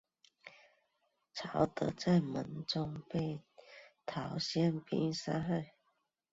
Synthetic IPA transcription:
t͡sʰa˨˧˥ʊt̪ɤ˨˧˥t͡sa˥˩ɪmə˧˦nt͡sʊ˦ŋpe˥˩ɪt̪ʰɑ˨˥ʊɕjɛ˥˩npḭ˥˦ŋsa̰˥xe˥˩ɪ

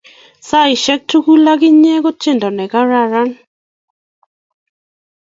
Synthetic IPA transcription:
sa˦˨i˨ʃɛ˦k̚tu˦ku˦la˦kɪ˦ɲɛ˦kɔ˦t͡ʃe˦ndɔ˨nɛ˨ka˦ɾa˨ɾa˦n

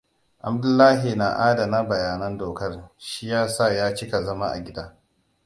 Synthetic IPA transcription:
ʔa˨bdʊ˦lːaː˦ɦi˨na˨ʔaː˦da˨na˦bɐ˨jaː˨nɐ˦ndoː˨kɐ˦rʃi˦jaː˦sa˦˨jaː˦t͡ʃɪ˦ka˨zɐ˦ma˦ʔa̰˨ɡʲɪ˦daː˦

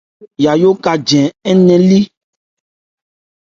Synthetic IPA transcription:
ja˨jo˦ka˨d͡ʒɛ̃˨ɛ˦nɛ̃˨li˦

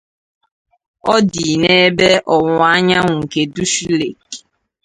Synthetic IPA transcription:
ɔ˦di˨nee˦be˦ʔɔ˨ŋʊ˨a˦ɲa˦ŋʷʊ˨ŋ̩˨ke˨du˦ʃi˦le˨k

